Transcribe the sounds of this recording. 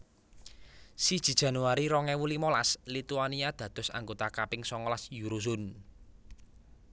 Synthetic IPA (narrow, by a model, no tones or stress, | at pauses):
sid̥ʒ̥i̤dʒ̥ä̤nuaɾiɾɔŋɛwulimolaslit̪uaniad̪̥ä̤d̪̥ɔ̤sa̰ŋɡot̪akapɪŋsɔŋɔlasjuɾuzʊn